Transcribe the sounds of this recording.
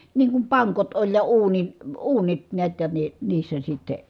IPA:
niːŋ kum pɑŋkot olʲ jɑ uːnin̞ uːnit niæt jɑ ne niːsːæ sitːe

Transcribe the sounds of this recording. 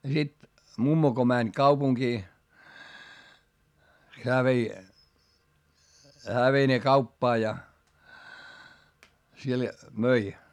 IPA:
jɑ sit mumːo ko mænʲ kɑupuŋkiː heæ ʋei hæː ʋei ne kɑupːɑː jɑ siel møi

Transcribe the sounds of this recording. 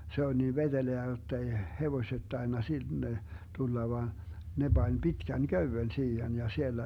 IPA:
se olʲ niː ʋed̥eleæ jotː ei heʋoĭset tɑinːɑ sinːe tulːɑ ʋɑˑn ne b̥ɑnʲ b̥itkæn køywen siːhen jɑ sielːæ

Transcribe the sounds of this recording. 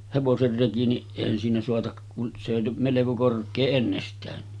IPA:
heʋoser reki ni eˑihæn siːnæ soɑtɑk kun se jo meleko korkˑeː enːestæːnːi

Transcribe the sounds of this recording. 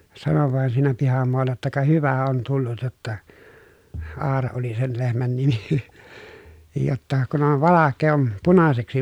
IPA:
sɑnoʋ ʋɑˑen siːnæ pihɑmoɑlːɑ jotːɑ kɑ hyʋæ on tulːut jotːɑ ɑːrɑ oli sen lehmæn nimi nin jotːɑ kun on ʋɑlɑkːeː om punɑseksi

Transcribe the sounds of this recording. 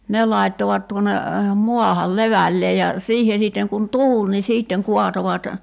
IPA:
ne lɑitːoʋɑt tuone muɑhɑl leʋælːeː jɑ siːhe siˑtːeŋ kun tuːl ni siːtːeŋ kuɑtoʋɑt

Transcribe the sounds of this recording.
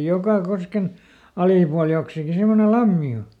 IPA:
jokɑ kosken ɑliˑpuɑl joksiki semːone lɑmːi o

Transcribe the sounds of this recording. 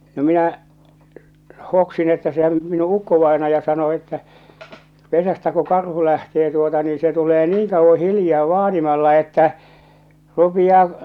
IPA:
no minæˑ hoksin etːæ sehæm minu ukːoʋɑe̝nɑjɑ sɑno etːæ pesæstæ ku kɑrhu læhteː tuotɑ niː se tuleː niːŋ kɑuʋːo hiljɑː ʋɑːnimɑlːɑ etːæ rupij̆ɑː

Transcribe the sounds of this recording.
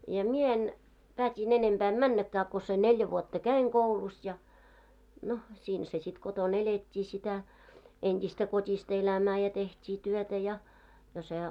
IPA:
jɑ mie en pæːtʲin enemb̥æ em mænːækːæː ko se neljæ ʋuotːɑ kæiŋ koulus jɑ no siːnhæ se sit koton eletʲːiː sitæ entʲistæ kotʲistɑ elæmæː jɑ tehtʲiː tyøtæ jɑ jɑ se

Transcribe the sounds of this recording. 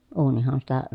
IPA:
uːnihɑn sitæ

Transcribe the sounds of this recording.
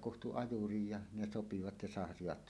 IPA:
kuhtu ɑjurij jɑ ne sopiʋɑt jɑ sɑhɑsiʋɑt

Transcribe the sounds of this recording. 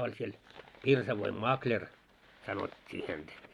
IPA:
olʲ siel pirsɑʋoim mɑklʲer sɑnotʲːiː hæntæ

